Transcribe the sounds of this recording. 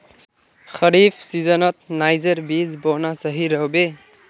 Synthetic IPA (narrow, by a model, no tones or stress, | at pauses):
xʌɾipʰsizɔnɔt̪̚najzʌɾbizbɔnasʌɦiɾʌɦbe